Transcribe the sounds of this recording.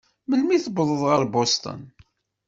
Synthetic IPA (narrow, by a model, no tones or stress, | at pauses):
mənmiθəbðˤəðˤʁəɾbost̪ˤə̰n